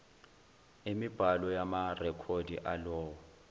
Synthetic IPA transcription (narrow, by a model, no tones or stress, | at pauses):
emib̥ʱalɔjamarɛkʰodʱḭʔalɔːwɔ